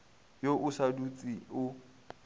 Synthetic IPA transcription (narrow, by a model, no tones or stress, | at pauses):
joʔʊsadut͡sʼiʊ